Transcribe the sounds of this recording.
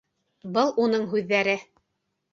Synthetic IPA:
bɤlˠunɤɴɦʉðːæɾɘ

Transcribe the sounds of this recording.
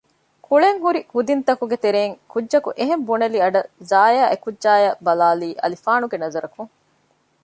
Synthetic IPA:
kuɭeŋɦuɾihud̪int̪ɐkuɡet̪eɾeːŋkudːʒɐkuʔeɦembunɐliɐɖɐzaːjaːʔekudːʒaːjɐbɐlaːliːʔɐ̰lifaːnuɡenɐzɐɾɐkuŋ

